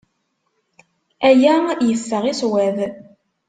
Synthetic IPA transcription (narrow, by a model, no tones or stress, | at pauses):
æjæjəfːəʁiswæð